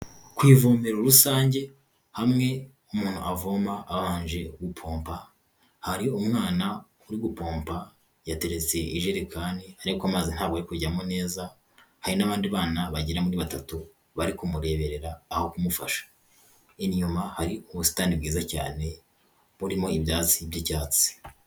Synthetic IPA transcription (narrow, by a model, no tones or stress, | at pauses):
kwiːvomeɾoɾusaːɲɟe̞ | hamŋe̞ | umuːn̥huʔavo̞maːβaːɲʒe̞ɡupʰo̞ːmpa | haɾiumŋaːna | uɾiɡupo̞ːmpa | jate̞ɾe̞t͡se̞ʔiʒeɾikaːnihaɾikamazin̥haːbɡaɾikuɟamone̞ːza | haɾinaβaːndiβaːnaβaɟiɾamuɾiβatatu | βaɾikumuɾe̞ːβe̞ɾe̞ɾaːho̞kumufa̰ʃḁ | inɲumahaɾiuβusi̥taːndib̚ɡiːzaca̰ːne̞ | βuɾimo̞ibjaːt͡sibjicaːt͡si̥